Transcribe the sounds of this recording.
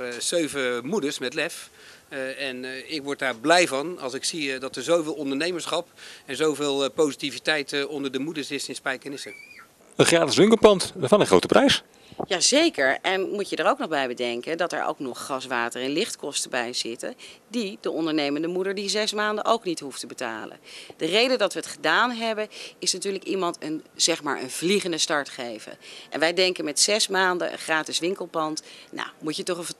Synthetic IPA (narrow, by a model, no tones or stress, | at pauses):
z̥øɥvəmudəɹsmɛtlɛf | ɛnɪkʋɔɹt̚daːɹblɛjvɑnɑ̰lˠsɪksidɑtəɹzowvɪːlˠɔndəɹnejməɹsχɑpɛnzowvɪːlˠpowzitivitɛjtɔndəɹdəmudəɹsɪsɪnspɛjkənɪsə | ənχaːdəsʋɪŋkəpɑntfɑnəχro̰wtəprʔɛjs | jaːzejkəɹʔɛnmucədəɹoʊwknɔχbɛjbədɛŋkəndɑtɛ̰ɹo̰ʊwknɔχːɑsʋaːtərɛnlɪχtkɔstəbɛjz̥ɪtə̰didəʔɔndəɹnejməndəmudəɹdizɛsmaːndəʔowknitɦuftəbəta̰ːlə̰nd̥ərejdədɑtʋəːtχədaːnɦɛbənɪsnatyːɹləkimɑntənz̥ɛχma̰ːɹʔə̰nvliχəndəstɑɹtχejvə̰ʔɛ̰nʋɛjdɛŋkənmɛtsɛsmaːndə̰ə̰χraːtɪsʋɪŋkəlˠpɑntna̰mucətɔχf